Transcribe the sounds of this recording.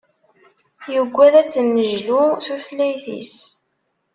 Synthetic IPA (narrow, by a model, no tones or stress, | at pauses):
jəɡʷːæðæt͡sːənːəʒluθuθlːæjθḭs